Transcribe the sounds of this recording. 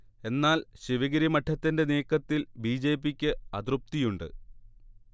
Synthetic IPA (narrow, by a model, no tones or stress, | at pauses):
e̞nːaːlɕiʋɐɣɐɾimɐʈʰːɐt̪ːinde̞neːkːɐt̪ːilbiːd͡ʑe̞ːpːikʲːɨɐd̪rup̚t̪ijuɳɖɨ̰